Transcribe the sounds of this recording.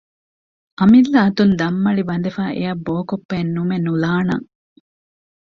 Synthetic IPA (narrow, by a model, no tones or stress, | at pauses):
ʔɐmilːɐːt̪und̪ɐmːɐɭibɐnd̪efæːʔḛjɐbːoːkopːeːnːumenːulaːnɐ̰ŋ